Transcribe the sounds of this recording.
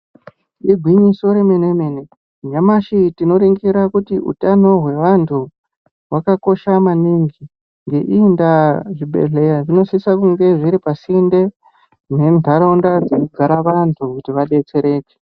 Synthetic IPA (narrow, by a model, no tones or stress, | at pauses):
iɡʱwiɲiso̞ɾemenemene | ɲamaʃitino̞ɾeŋɡiɾakutiʔṵtano̞ɦwe̞ʋantʰu | wakako̞ʃamaniŋɡi | ŋɡe̞ʔindaʐiɓḛɮe̞jaʐino̞sisakuŋɡe̞ʐiɾipasinde̞ | ne̞ntaɾaundad͡zekuɡʱaɾaʋantʰukutiʋaɗe̞t͡se̞ɾe̞ːke̥